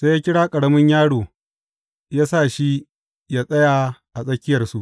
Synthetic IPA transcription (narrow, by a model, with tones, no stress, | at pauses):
seː˦jaː˦kʲɪ˦ɽaː˦kʼɐ˨ɽɐ˦mɪ˦ɲjaː˦ɽoː˨ | jaː˦saː˦˨ʃi˦ | jaː˦sʼɐ˦jaː˨ʔa˨sʼɐ˦kʲɪ˦jɐ˨rsu˦ʔ